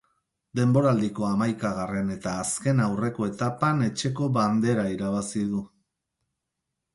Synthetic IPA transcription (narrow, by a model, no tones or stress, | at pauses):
d̪e̞mbo̞ɾald̪iko̞amajkaɣ̞are̞ne̞t̪aːske̞nawre̞ko̞e̞t̪apane̞t͡ʃe̞ko̞βand̪e̞ɾaiɾaβ̞asiðu